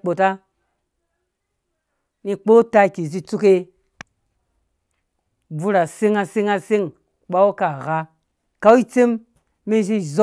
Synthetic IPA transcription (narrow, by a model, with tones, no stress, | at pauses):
k͡po˨ta˦ | ni˧k͡po˦ta˧˨kʲi˨z̬i˧t͡su˦ke˦ | b͡vu˧ɾa˨se˦ŋa˧se˦ŋa˧se˦ŋ | k͡pa˦wo˦ka˨ɣa˦ | ka˦wi˦t͡se˦mː | i˦ʃ̬i˦zo˦